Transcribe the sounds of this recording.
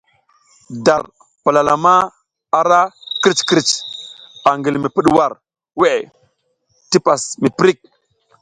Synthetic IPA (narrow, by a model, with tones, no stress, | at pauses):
da˨ɾ | pa˨la˨la˨ma˦ | a˨ɾa˦ki˦t͡ʃkɾi˦˨t͡ʃ | a˨ŋɡi˨lmi˨pi˦ɗwa˨ɾ | we˦˨ | ti˦pa˨smi˨pɾi˦˨k̚